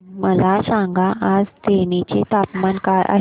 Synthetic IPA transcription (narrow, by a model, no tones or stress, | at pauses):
məlasãŋɡaʔad͡zt̪enet͡ɕet̪apmankaɾʔa̰